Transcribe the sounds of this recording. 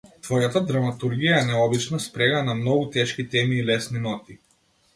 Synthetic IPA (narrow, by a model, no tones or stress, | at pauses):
t̪vɔjat̪ad̪ɾamat̪uɾɡijaɛnɛɔbit͡ʃnaspɾɛɡanamnɔɡut̪ɛʃkit̪ɛmiːlɛsninɔt̪i